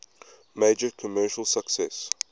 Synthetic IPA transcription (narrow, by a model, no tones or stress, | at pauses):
meɪd͡ʒəkʰəmɜːˑʃəlˠsəksɛs